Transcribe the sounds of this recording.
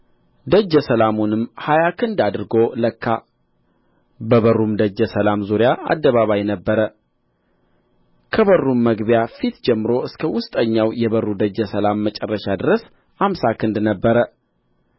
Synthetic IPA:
d̪əd͡ʒːəsəlamunɨmhajakʰɨnd̪ad̪ɨɾɨɡo̞ləkːa | bəβərːumd̪əd͡ʒːəsəlamzuɾjaʔa̰d̪ːəβaβajnəbːəɾə | kʰəβərːumːəɡbjafit̪d͡ʒɛmːɨɾo̞ɨskʰəwʊst̪ʼəɲːawjɛβərːud̪əd͡ʒːəsəlamːət͡ʃʼɛrːəʃad̪ɨɾəs | ʔamsakʰɨnd̪nəbːəɾə

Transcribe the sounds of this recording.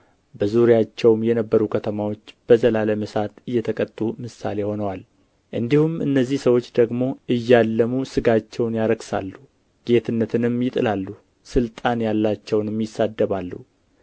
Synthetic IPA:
bəzuɾjat͡ʃːɛwmjɛnəbːəɾukʰət̪ʰəmawo̞t͡ʃːb̥əzəlaləməsat̪ɨjːɛt̪ʰəkʼət̪ʼːumɨsa̰le̞ho̞nəwal | ʔɨnd̪ihumɨ̰nːəzːihsəwo̞t͡ʃːd̪əɡmo̞ʔɨjːalːəmusɨɡat͡ʃːɛwnjaɾəɡsa̰lːu | ɡ̥e̞t̪ʰɨnːət̪ʰɨnɨmːjɪt̪ʼɨlalːu | sɨlt̪ʼanjalːat͡ʃːɛwnmjɪsːad̪ːəβalːu

